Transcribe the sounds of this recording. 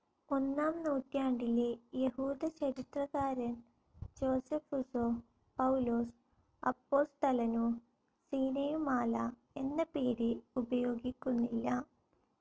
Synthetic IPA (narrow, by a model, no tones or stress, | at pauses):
o̞nːaːmnoːʈːjaːɳɖilejehuːd̪ɐt͡ɕɐɾit̪rɐɣaːɾɐn | d͡ʑo̞ːsefusoː | pɐwuloːs | ɐ̰pːo̞ːst̪ɐlɐno | siːnɐjumaːla | e̞nːɐpeːɾɨubɐjo̞ːɡikʲːunːilːɐ